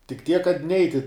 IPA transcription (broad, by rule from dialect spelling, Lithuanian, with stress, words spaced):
tʲɪk tʲiɛk kɐt ˈnʲɛɪtʲɪ